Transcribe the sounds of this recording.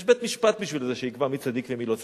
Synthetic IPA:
ʃbet̪miʃpat̪̚biʃvilzeʃeikvamit͡sad̪ikvemilot͡s

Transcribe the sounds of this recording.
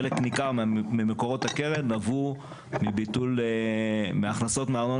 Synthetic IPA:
leknikaʁmimeko̞ʁo̞t̪hakeʁednavu | mibit̪ul | meaχnaso̞tmeaʁno

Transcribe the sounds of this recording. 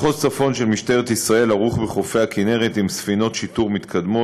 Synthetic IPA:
χott͡safo̞nʃe̞lmiʃteʁet̪isʁae̞laʁuχbeχo̞feakine̞ʁet̪imsfino̞t̪ʃit̪uʁmit̪kʰad̪mo

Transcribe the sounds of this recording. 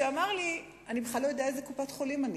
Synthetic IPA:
eamaʁli | anibeχlalo̞jodeaezekupatχolimani

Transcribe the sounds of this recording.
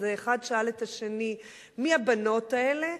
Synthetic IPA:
zeːχadʃaalethaʃe̞ni | miabano̞tae̞le̞

